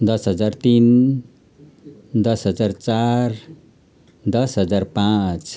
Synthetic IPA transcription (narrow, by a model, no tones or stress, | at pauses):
d̪ʌsɦʌd͡zart̪in | d̪ʌsɦʌd͡zart͡sar | d̪ʌsɦʌd͡zarpãt͡s